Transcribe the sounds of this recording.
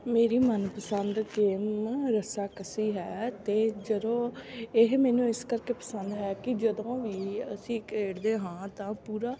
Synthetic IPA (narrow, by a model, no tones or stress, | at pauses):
meːɾiːmənpəsənd̪keːmɾəsaːkəsiːɦɛːt̪eːd͡ʒəd̪õːɪɦmɛːnũːɪskəɾkeːpəsənd̪ɦɛːkɪd͡ʒəd̪õːʋiːəsĩːkeːɽd̪eːɦãːt̪ãːpuːɾaː